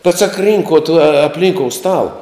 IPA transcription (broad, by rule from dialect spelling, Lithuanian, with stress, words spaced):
bʲɛt sɐk ˈrʲiːŋkoːt ɐ ɐpʲˈlʲiːŋkoːʊ ˈstɑːlˠɐ